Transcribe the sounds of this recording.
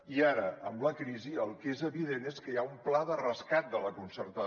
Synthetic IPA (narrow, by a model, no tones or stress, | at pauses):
iaɾəəmləkɾiziəlˠkezəβiðeneskəjaumplaðərəskat̪̚d̪ələkunsəɾt̪ə